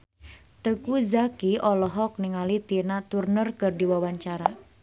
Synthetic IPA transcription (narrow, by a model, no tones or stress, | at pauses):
t̪əkuzakiɔlɔɦɔk̚niŋalit̪inat̪urnərkərdiwawaɲt͡ʃaɾa